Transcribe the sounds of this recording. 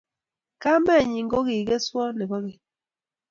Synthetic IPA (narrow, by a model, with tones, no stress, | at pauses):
ka˦mɛ˦˨ɲi˨ŋɡo˦ɣi˨ɡe˦swɔ˦ne˨bɔ˦ɣe˨